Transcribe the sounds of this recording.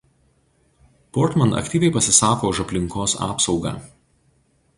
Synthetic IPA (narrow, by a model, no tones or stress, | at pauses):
pɔɾt̪mɐnɐ̰kt̪ʲiːʋʲɛɪpɐsʲɪsɑːkoːʊʃɐpʲlʲɪŋkoːsɑ̰ːpsɒʊɡɑ̰ː